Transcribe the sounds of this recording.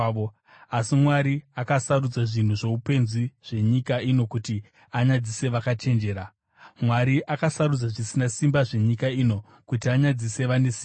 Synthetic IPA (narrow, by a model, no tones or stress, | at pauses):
o | asimwaɾiakasarud͡zaʐin̤uʐo̞upe̞nziʐ̥e̞ɲikaino̞kuti | aɲad͡zise̞ʋakat͡ʃe̞nd͡ʒe̞ːɾa | mwaɾiʔakasaɾud͡zaʐisinasimbaʐe̞ɲikaino̞ | kutiaɲad͡zise̞ʋane̞siː